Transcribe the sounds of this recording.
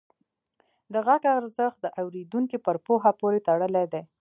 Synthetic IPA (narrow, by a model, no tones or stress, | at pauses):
d̪əɣaɡaɾzəxt̪̚d̪əʔawɾed̪uŋkipəɾpoɦapoɾet̪aɽəled̪e